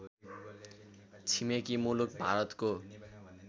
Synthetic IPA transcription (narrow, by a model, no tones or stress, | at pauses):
t͡ɕʰimekimuluk̚bʱaɾɔt̪ko